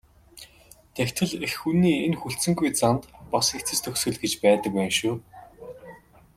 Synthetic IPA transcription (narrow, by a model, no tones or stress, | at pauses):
t̪ʰekt̪ʰɘ̆ɮexxunːiːenxuɬsɘ̆ŋɡujt͡sant̪pɔsikt͡sʰɘ̆st̪ʰɵksɵ̆ɮɡet͡ɕpæːt̪ə̆k̚pæːnʃuː